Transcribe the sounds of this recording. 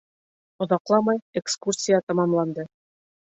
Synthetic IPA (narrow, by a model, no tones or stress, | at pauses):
ŏðɑqlˠɑmɑjekskursʲijat̪ɑmɑmlˠɑnd̪ɤ